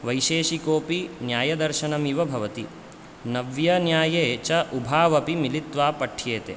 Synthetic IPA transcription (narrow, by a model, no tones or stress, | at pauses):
ʋɐjʃeːʃikoːpinjaːjɐd̪ɐɾʃɐnɐmiʋɐbʱɐʋɐt̪i | nɐʋjɐnjaːjeːt͡ʃɐʔubʱaːʋɐpimilit̪ʋaːpɐʈʰjeːt̪ḛ